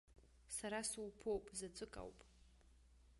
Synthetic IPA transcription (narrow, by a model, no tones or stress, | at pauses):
saɾasuwpʰowpʼzat͡sʷʼɨkʼa̰wpʼ